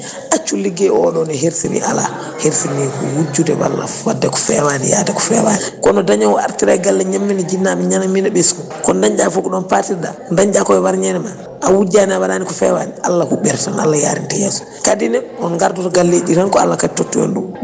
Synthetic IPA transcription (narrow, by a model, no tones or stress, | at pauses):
ʔat͡ʃːulːiɡɛɔɗɔnɛɦeɾsinḭʔala̰ | heɾsinikɔwud͡ʒudɛ̰wa̰lːa̰wadːɛkɔ̥fɛwanḭja̰takɔ̥fɛ̰wanikɔnɔdaɲawɔa̰ɾtiɾaɡalːɛɲamːinid͡ʒinːamiɲanaminɛɓeskɔ | kɔndaɲd͡ʒafɔkɔɗɔnpatiɾda̰ndaɲd͡ʒakɔɛwaɾɲɛnɛma | ʔawud͡ʒanawadaːnikɔfɛwanialːakuɓɛɾtana̰lːaja̰ɾḭntɛjɛːsu̥ | kadinɛɔnɡaɾdɔtɡalːeɗiɾaŋkɔa̰lːakaditotːujɛ̰nɗu